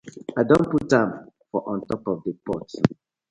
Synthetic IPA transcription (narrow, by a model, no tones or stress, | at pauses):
aɪdõnputːãmfɔʔɔ̃ntɔpɔfdəpɔt